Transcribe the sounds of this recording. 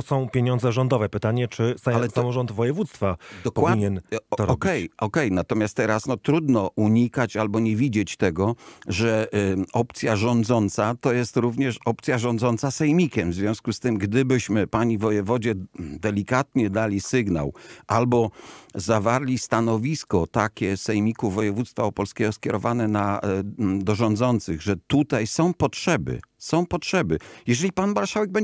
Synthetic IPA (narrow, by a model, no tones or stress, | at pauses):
ɔsɔ̃w̃pʲjeɲɔ̃nd̪zɛʐɔnd̪ɔvɛpɘt̪aɲɛt͡ʂɘsaasamɔʐɔnd̪vɔjɛvut̪st̪fad̪ɔkpɔiɲɛnɔɾɔbʲkɛjɔkɛjnat̪ɔmʲast̪ːɛɾasnɔt̪ɾud̪nɔʔuɲikat͡ɕalbɔɲɛvʲid͡ʑet͡ɕt̪ɛɡɔʐɛɔp̚t̪sʲjaʐɔnd̪zɔnt̪sat̪ɔjɛst̪ɾuvɲɛʂɔp̚t̪sʲjaʐɔ̃nd̪zɔnt̪sasɛjmʲikʲɛmvzvʲjɔ̃w̃skust̪ɘmɡd̪ɘbɘɕmɘpaɲivɔjɛvɔd͡ʑɛd̪ɛlʲikat̪ɲɛd̪alʲisɘɡna̰wʔalbɔzavaɾlʲist̪anɔvʲiskɔt̪akʲɛsɛjmʲikuvɔjɛvut̪st̪faɔpɔlskʲɛɡɔskʲɛɾɔvanɛna | d̪ɔʐɔnd̪zɔnt̪sɘɣʐɛt̪ut̪ajsɔ̃w̃pɔtʂɛbɘ̰sɔ̃w̃pɔtʂɛbɘjɛʐɛlʲipanmaɾʂawɛɡ̚bɛɲ